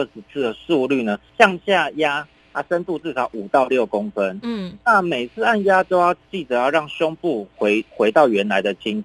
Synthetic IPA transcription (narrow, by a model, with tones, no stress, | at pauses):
ə˥˩ʂɻ̩˧˩t͡sʰɹ̩˥˩d̪ə˩ʂu˥˧ly˥˩nə˩ɕjɑ˥˧ŋɕja˥˩ja˦˥ | a˧sə˦nt̪u˥˧t͡sɹ̩˥˩sʰɑ˨˦ʊʔu˨˩t̪ɑ˥˧ʊljo˥˩ʊko˥˦ŋfə˦nna˥˨me˨˩ɪt͡sʰɹ̩˥˧a˥˧nja˦˥t͡ɕjo˥ʊjɑ˥˧ʊt͡ɕi˥˩t͡sɤ˨˩˦jɑ˥˧ʊɻɑ˥˩ŋɕjɔ˥˦ŋpu˥˨˦ɪxwe˧˥ɪt̪ɑ˥˩ʊɥɛ˨˦nla˧˦ɪd̪ə˨t͡ɕʰi˦˥ŋ˨˦